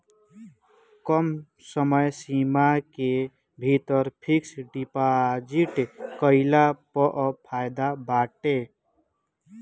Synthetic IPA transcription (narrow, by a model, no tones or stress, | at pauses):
kɔm | səməjsimake | bʱit̪əɾpʰiksɖipad͡ʒiʈkəɪlapɔʔpʰajd̪abaʈe